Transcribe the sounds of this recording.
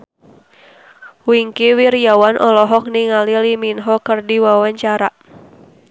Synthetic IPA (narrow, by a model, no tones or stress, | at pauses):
wiŋkiwiɾiawanʔɔlɔɦɔk̚niŋaliliminɦɔkərdiwawaɲt͡ʃaɾaʔ